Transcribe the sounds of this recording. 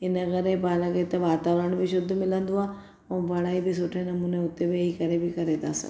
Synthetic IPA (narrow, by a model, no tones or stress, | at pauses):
ɪnɐɣəɾebaːlaket̪eʋaːt̪aːʋɾəɳ̃bʱiʃʊd̪ʱmɪlə̃nd̪uaː | õːbɐɽaːibʱisʊʈʰenɐmuːneʊt̪ːebeikɐɾebʱikɐɾeːt̪a̰ːsɐ̰